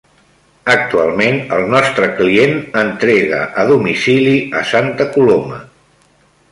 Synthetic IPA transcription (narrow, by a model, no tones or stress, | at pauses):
ək̚t̪ualˠmenəlˠnɔst̪ɾəklienənt̪ɾeɣə̰ʔəðumisiliəsant̪əkulomə̰